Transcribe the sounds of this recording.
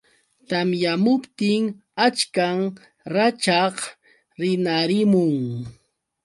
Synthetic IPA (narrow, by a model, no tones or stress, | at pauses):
t̪amjamʊpt̪ɪŋ | at͡ʃkaŋ | ɾat͡ʃɑχ | ɾɪnaɾɪmʊŋ